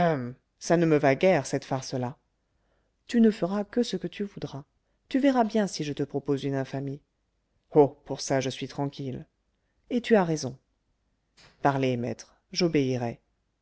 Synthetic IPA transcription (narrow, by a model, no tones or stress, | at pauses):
ãm | sanəməvaɡʲɛʁsɛt̪faʁsəla | t̪ynəfəʁakəsəkət̪yvud̪ʁa | t̪yvɛʁabjɛ̃siʒət̪əpχɔpozynɛ̃fami | opuʁsaʒəsɥit̪χɑ̃kʲil | et̪yaʁezɔ̃ | paʁlemɛ̰t̪χ | ʒobeiʁɛ